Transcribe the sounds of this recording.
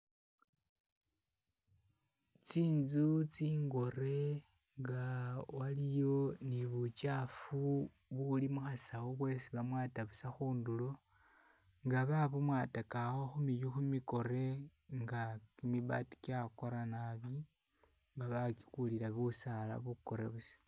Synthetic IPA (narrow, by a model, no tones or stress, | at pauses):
t͡siːnzut͡siːŋɡo̞ɾe̞ | ŋɡawalijo̞niβut͡ʃafu | βulimuxasawoβwe̞siβamwaːtaβusaxuːndulo̞ | ŋɡaβaβumwaːtakaxo̞xumijuxumiko̞ɾe̞ŋɡakimiβa̰ːti̥kjako̞ɾanaβi | ŋɡaβaki̥kulilaβusala̰βuko̞ɾe̞̰βus